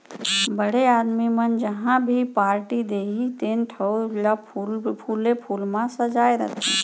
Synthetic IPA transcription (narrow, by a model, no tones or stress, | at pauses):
bəɽeaːd̪mimənd͡ʒəɦãbʱipaːɾʈid̪eːɦit̪eːnʈʰəd͡ʒa | pʰuːlepʰuːlmãsəd͡ʒaːeɾə̰t̪ʰe